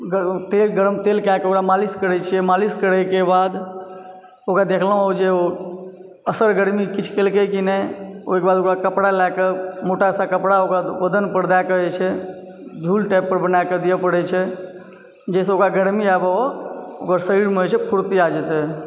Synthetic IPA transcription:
ɡət̪elɡəɾəmt̪elkeakeokɾamaliskəɾɛt͡ʃʰijɛmaliskəɽɛkebad̪ | okɾad̪ekʰləɦod͡ʒeo | əsəɾɡəɾmikit͡ʃʰkelkekinɛokebad̪okɾakəpɽalakemoʈasakəpɽaokaʋəd̪ənpəɾd̪akəɛt͡ʃʰɛ | d͡ʒʱulʈajpːəɾbənajked̪ijəpəɽɛt͡ʃʰɛ | d͡ʒɛs̬eokɾaɡəɽmiabaookəɾsəiɽmeɦojt͡ʃʰɛpʰuɾt̪iad͡ʒɛt̪ɛ

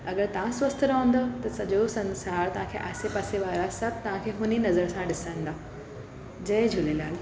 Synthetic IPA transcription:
ɐɡəɾt̪ɐʋ̤ãswɐst̪ʰɾaõːnd̪ot̪ɐsɐʄosɐ̃nsaːɾt̪ɐʋ̤ãkʰeːʔaːsepaːseʋaːɾasɐb̚ʱt̪ɐʋ̤ãkʰeːɦʊninɐzəɾsãɗɪsə̃nd̪aː | d͡ʑɐed͡ʑʱʊlelaːl

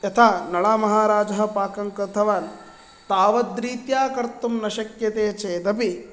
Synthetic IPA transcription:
ɐt̪ʰaːnɐɭaːmɐɦaːɾaːd͡ʒɐɦɐ̆paːkɐŋkɾɐt̪ʰɐʋaːn | t̪aːʋɐd̪ɾiːt̪jaːkɐɾt̪umnɐʃɐkjɐt̪eːt͡ʃeːd̪ɐpi

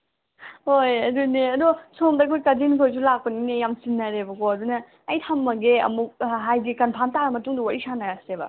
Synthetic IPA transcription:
hojɐduneɐd̪usomdɐkʰujkɐdinkʰojs̬ulak̚pɐninejamsinːɐɾebɐɡoɐdunɐː | jtʰɐmːɐɡeɐ̰muk̚ɦajɡikɐnpʰamtaɾɐmɐtuŋduwaɾisanɐɡasebɐ̰

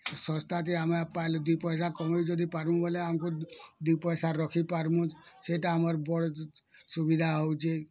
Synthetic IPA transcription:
sɔ̃st̪at̪iamepalod̪upɔjs̬akɔmojd͡ʒɔd̪ʱipaɾmũboleamkud̪upɔjsaɾɔkʰipaɾmũseʈaːməɾbɔɽsubid̪ʱaɦowt͡ʃʰe

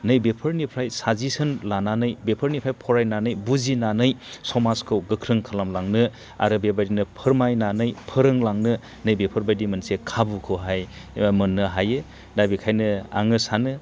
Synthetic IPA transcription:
nɯjbepʰəɾnipʰɾajsazisɯnlananɯjbepʰəɾnipʰɾajpʰɔɾajnanɯjbuzinanɯjsɔmaskʰɯwɡɯkʰɾɯŋkʰalamlaŋnɯ | a̰ɾɯbebajdinɯpʰɯɾmajnanɯjpʰɯɾɯŋlaŋnɯ | nɯjbepʰɯɾbajdimɐnsekʰabukʰɯwɦajmɯnːɯɦaje | dabikʰajnɯa̰ŋɯsanɯ

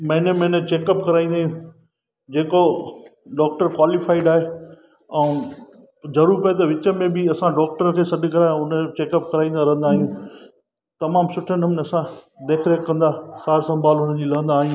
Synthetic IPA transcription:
mɐ̃ɦɪ̃nemɐ̃net͡ɕeːkəp̚kɐɾaːĩnd̪aːɦjũ | d͡ʑeːko | ɖaːk̚ʈəɾkwaːlifaːɪɖaːɦe | ɛ̃ | zɐɾuːɾpɐjet̪̬ɐʋɪt͡ɕəmẽbɪɐsãɖɔːk̚ʈəɾkʰeːsɐɖʱɪkɐɾaːjãʊnət͡ɕeːkəp̚kɐɾaːĩnd̪aɾɐɦə̃nd̪aːɦijũː | t̪ɐmaːmsʊʈʰənɐmɪnɐsã | ɖeːkʰɾeːkːɐ̃nd̪aːsaːɾsɐ̃mbʱaːlʊn̤əd͡ʑiːlɐɦə̃nd̪aːɦijũː

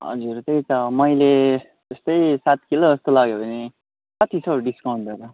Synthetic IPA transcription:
ɦʌ̰d͡zurt̪ʌjt̪ʌmʌjle | d͡zʌst̪ʌjsat̪̚kiloʌst̪olaɡjobʱʌne | kʌt̪ʰisʰʌɖiskawɳʈ̪ʌɾʌ

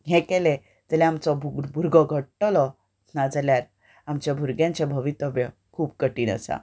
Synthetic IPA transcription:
ɦẽkele | d͡zəlɛ̃amt͡sɔbʱuɡbʱuɾɡɔɡʱəʈʈɔlɔ | nad͡zaljaɾ | amt͡ɕjabʱuɾɡjãɲt͡ɕabʱəʋit̪ɔbjɔ | kʰuːpkəʈiːnə̰sa̰

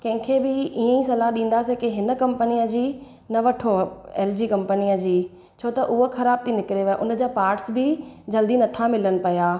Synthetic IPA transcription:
kɐ̃ɦɪ̃kʰebɪʔiːə̃ĩsɐlaɗĩːn̆d̪asekeɦɪnə̆kɐ̃mpənijəd͡ʑiː | nɐʋɐʈʰoḛːld͡ʑiːkɐ̃mpəniəd͡ʑiː | t͡ɕʰoːt̪ɐʔʊɦoxʰɐɾaːb̚t̪ʰinɪkɪɾeʋeʔʊnə̆d͡ʑaːpaːɾʈsbɪd͡ʑɐld̪inɐt̪ʰamɪlənɪ̆pɐjaː

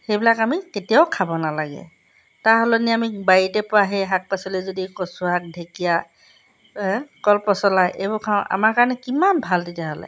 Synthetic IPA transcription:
xejbilakamiketijaʊkʰabɔnalaɡɛ̰ | taɹɦɔlɔniamibajitɛpʊaɦɛɦak̚pasɔlɛzodikɔsuɦak̚dʱekija | kɔlpɔsɔlajʔebɔkʰãʊ̃ʔa̰maɹkaɹɔnɛkimanbʱaltitjaɦɔlɛ̰

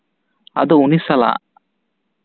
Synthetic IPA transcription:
ɐ̰d̪uunisɐla̰

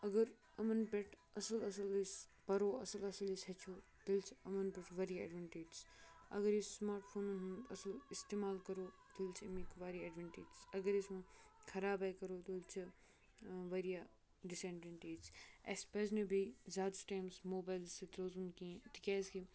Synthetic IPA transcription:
ɐɡɐɾ | ɐmɐnpʲeʈ | ɐsəlɐsɐlispɐɾoːɐ̰sɐlɐsɐlisɦɐt͡ʃʰoːt̪ɐlt͡ʃʰɐmɐnpeʈʋɐɾijaɐ̰ɖʋɐ̃ɳʈeːd͡ʒzɐ̰ɡɐɾissmaːɾʈpʰoːnunɦɐnd̪ɐsɐlɪst̪eːmaːlkɐɾoː | t̪ilt͡ʃʰmikʋaːɾiɐɖʋɐɳʈeːd͡ʒzɐɡɐɾism̃kʰɐɾaːbaːjkɐɾoːt̪ilt͡ʃʰ | ʋɐɾijaː | ɖɪsẽɳɖeɳʈeːd͡ʒespeznebʱizaːd̪sʈaːjmsmoːbaːjlsit̪ɾoːzunkiẽt̪ikʲaːski

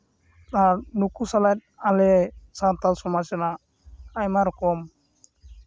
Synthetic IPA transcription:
t̪aɾnukusalajt̪̚alesat̪alsɔmasɛna | ajmaɾkɔm

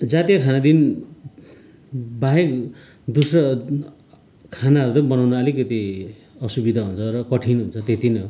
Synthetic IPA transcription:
d͡zat̪ijakʰanad̪in | baɦek | d̪usrʌ | kʰanaʌɾut̪ʌbʌnawnʌʌlikʌt̪i | ʌsubid̪ʱaɦunt͡sʰʌrʌkʌʈʰinɦunt͡sʰʌt̪et̪inʌ

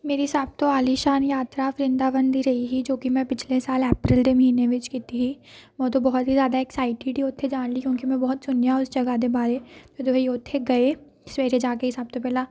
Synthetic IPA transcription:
meːɾiɦɪsaːb̚t̪oaːliʃaːnjaːt̪ɾafɾɪ̃nd̪abə̃nd̪ʱiɾɐɦiɦid͡ʒoːkimɛ̃pɪt͡ʃʰlesaːleːpɾɪld̪emɐɦiːneʋɪt͡ʃkiːt̪iɦi | mɛ̃t̪obɔɦʊt̪ɦizjaːd̪aeːksaːɪʈiɖioːt̪ʰːed͡ʒaːnlikjõːkimɛ̃bɔɦʊt̪sʊnjaʊsd͡ʒɐɡad̪ebaːɾed͡ʒoːd̪oːɦejoːt̪ʰːeɡɐe | smeːɾed͡ʒaːkeɦɪsaːb̚t̪opɛːla

